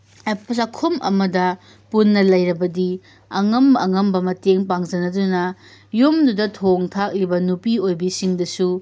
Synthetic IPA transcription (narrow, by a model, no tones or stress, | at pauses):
epsɐkʰumʔɐ̰mɐdɐ | punːɐlɐjɾɐbɐdi | ɐŋɐmbɐɐŋɐmbɐmɐteŋp̬aŋzɐnɐdunɐ | jumdudɐtʰoŋtʰak̚libɐnupiojbisiŋdɐsu